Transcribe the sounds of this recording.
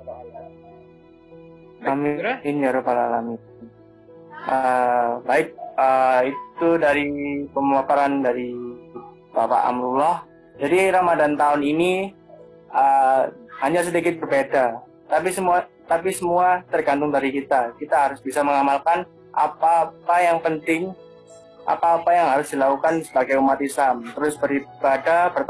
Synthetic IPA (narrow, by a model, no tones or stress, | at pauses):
amiiniaɾupalalami | əbaɪk̚əitt̪udaɾipəmapaɾandaɾi | bapa̰ʔa̰mɾulɔh | d͡ʒadiɾamadant̪aʊnini | ə | haɲas̬ədikɪt̪̚bərbeda | t̪apisəmuat̪apisəmuat̪ərɡant̪ʊŋdaɾikit̪akit̪aɦaɾʊsbisaməŋamalkan | ʔa̰papajaŋpənt̪ɪŋ | ʔa̰paːpajaŋhaɾʊsdilakukansəbaɡajumat̪islamt̪əɾʊsbəɾibadapər